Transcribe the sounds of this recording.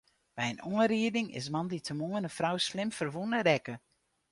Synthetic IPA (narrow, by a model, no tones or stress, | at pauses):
b̥ɛjənuənɾiədɪŋɪ̰s̬mɑnditʰəmoənəfrawslɪmfərʋunəɾɛkə